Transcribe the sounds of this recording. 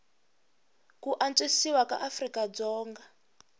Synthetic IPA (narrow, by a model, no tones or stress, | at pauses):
kuʔant͡sʼesiwaka̰ʔafrikad͡zɔːŋɡa